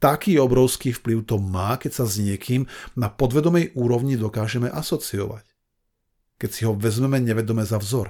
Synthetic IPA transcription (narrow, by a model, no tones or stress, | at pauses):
t̪akiːɔbɾɔʊskiːfpliʊt̪ɔmaːkɛcsazɲɪɛkʰiːmnapɔd̪ʋɛd̪ɔmɛjʔuːɾɔʊɲid̪ɔkaːʒɛmɛʔasɔt͡siɔ̰ʋa̰c | kɛcsiɦɔʋɛzmɛmɛɲɛʋɛd̪ɔmɛzavzɔɾ